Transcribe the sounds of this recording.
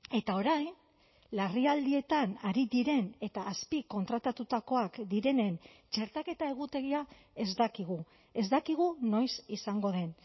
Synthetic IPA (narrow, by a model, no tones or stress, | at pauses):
e̞t̪ao̞ɾajn | lariald̪ie̞t̪anaɾiðiɾe̞ne̞t̪aːspiko̞nt̪ɾat̪at̪ut̪ako̞akd̪iɾe̞ne̞nt͡ʃe̞ɾt̪ake̞t̪ae̞ɣut̪e̞ɣia | e̞zd̪akiɣ̞u | e̞zd̪akiɣ̞uno̞jsisaŋɡo̞ð̞e̞n